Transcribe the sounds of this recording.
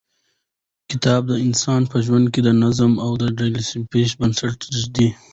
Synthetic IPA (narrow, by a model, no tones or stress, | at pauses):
kɪt̪ɑːb̚d̪əɪnsɑnpəʒwand̪̚ked̪ənazəmawd̪əɖajlisipeʃ̬bansaʈɾɪzd̪i